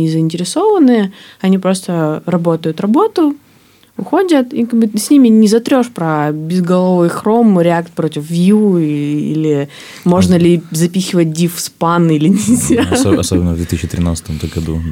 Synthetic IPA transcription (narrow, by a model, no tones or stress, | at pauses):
nʲɪzəɪnʲtʲɪɾʲɪso̞vənɨ | ɐnʲipɾo̞st̪ərɐbo̞t̪əjʊt̪rɐbo̞t̪ʊ | ʊxo̞dʲət̪ikaɡ̚bɨsʲnʲimʲɪnʲɪzɐt̪ɾʲo̞ʂpɾɐbʲɪzɡɐlˠovɨjxɾo̞mɾʲɪak̚t̪̚pɾotʲɪfvʲi | ḭlʲɪ | mo̞ʐnəlʲɪzɐpʲixʲɪvət̚ʲdʲifspanilʲɪnʲisʲaɐ̰sobʲɪnːəvd̪vʲet̪isɕɪt̪ʲɾʲɪ̰na̰t̪sə̥t̪əmt̪əɡɐd̪ṵ